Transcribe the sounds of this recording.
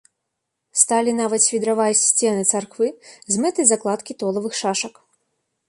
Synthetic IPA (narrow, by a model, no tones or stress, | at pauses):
st̪alʲinavɐt̪sʲfʲid̪ɾavajsʲt͡sʲɛnɨt̪sarkvɨzʲmɛt̪ɨzaklˠat̪kʲit̪ɔlˠɐvɨxʂaʂɐk